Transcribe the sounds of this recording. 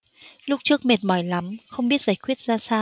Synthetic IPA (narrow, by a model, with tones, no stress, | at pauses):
lʊ˦˥k͡p̚t͡ɕɨ˦˥ək̚me˨˩t̚mɔ˨˧˩jla˨˦mxə˧wŋ͡mɓi˦˥ət̚z̥aː˧˩jxwi˦˥ət̚zaː˧saː˧